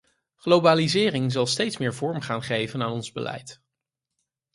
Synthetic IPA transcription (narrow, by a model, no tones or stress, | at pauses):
χlowbaːlizɪːrɪŋzɑlˠstejtsmɪːɹvɔɹmχaːnχejvənaːnɔnzbəlɛ̰jt